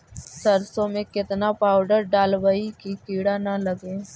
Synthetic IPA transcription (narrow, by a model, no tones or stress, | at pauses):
sɐɾsõmẽkɪt̪napaːʊɖəɾɖaːlʋəikikiːɽanaləɡeː